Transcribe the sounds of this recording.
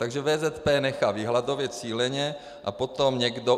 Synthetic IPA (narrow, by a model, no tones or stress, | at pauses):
t̪aɡʒɛvɛːzɛt̪pɛːnɛxaːviɦlad̪o̞vjɛt͡siːlɛɲɛ | ʔa̰po̞t̪omɲɛɡdo